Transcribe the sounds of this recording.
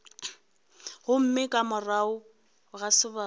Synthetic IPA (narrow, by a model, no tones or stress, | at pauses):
hʊm̩mɪkʼamʊraʊ | ɣasɪba